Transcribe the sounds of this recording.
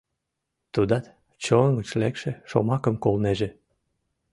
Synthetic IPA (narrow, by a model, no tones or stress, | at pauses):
t̪ud̪ɑt̪ | t͡ɕoŋɡət͡ɕlekʃeʃo̰mɑkəmkolneʒe